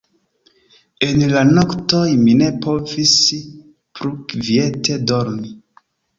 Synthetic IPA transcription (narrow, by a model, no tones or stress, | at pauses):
e̞nlanoktojmine̞po̞vis | pɾukvie̞tʰedoɾni